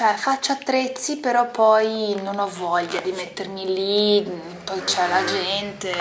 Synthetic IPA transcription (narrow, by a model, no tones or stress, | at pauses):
t͡ʃɛfat͡ʃːoat̪ːɾet̪sːipeɾɔpːɔjnonɔvɔʎːad̪imet̪ːermili | pɔjt͡ʃɛlad͡ʒɛnt̪e